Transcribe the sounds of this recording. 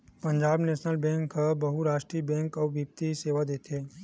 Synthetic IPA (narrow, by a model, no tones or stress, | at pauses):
pə̃ɲd͡ʒaːbneːʃnəlbɛ̃ːŋkəbɐɦuɾaːʃʈɾiːəbɛ̃ːŋkɔːbʱipt̪iseːʋad̪eːt̪ʰeː